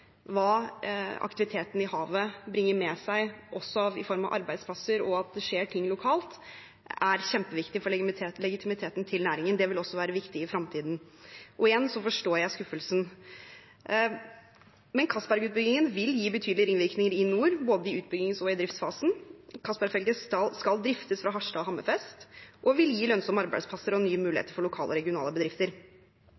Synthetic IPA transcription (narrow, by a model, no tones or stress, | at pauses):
ʋɑːɑ̰kt̪ɪʋɪt̪ʰeːt̪n̩ɪhɑːʋəbɾɪŋːəɾmɛsæɪʔɔsːɔɑʋɪ̰fɔɾmɑ̰ʋʔɑ̰ɾbæɪd̪spʰlɑsəɾɔɑt̪̚d̪ɛʂeːʈʰɪŋːlʊkʰɑːlt̪ | æɾçɛmpəʋɪkt̪ɪfɔɭɛɪt̪ʰeːt̪lɛɡɪt̪ʰɪmɪt̪ʰeːt̪n̩t̪ʰɪlnæːɾɪŋənd̪ɛʋɪlɔsːɔʋæːɾəʋɪkt̪ɪɪfɾɑmt̪ʰiːd̪n̩ʔɔeːnsɔfɔʂʈoːɾjæɪskʉfəlsn̩ | mɛnkʰɑsbæɾɡʉːt̪̚bʏɡɪŋənʋɪljiːbət̪ʰyːd̪lɪəɾɪnʋɪɾknɪŋəɾɪnuːɾboːd̪əɪʉːt̪̚bʏɡɪŋsɔɪd̪ɾɪft̪sfɑːsn̩kʰɑsbæɾɡfɛlɡəsɑskɑld̪ɾɪft̪əsfɾɑɦɑʂɖɑɔhɑmːə̰fɛst̪ʔɔʋɪljiːlœnsɔmːɑɾbæɪd̪spʰɑsəɾɔnyːəmʉːlɪhḛːt̪əɾfɔɭʊkʰɑ̰ːlʔəɔɾɛɡɪʊnɑ̰ːləbəd̪ɾɪft̪əɾ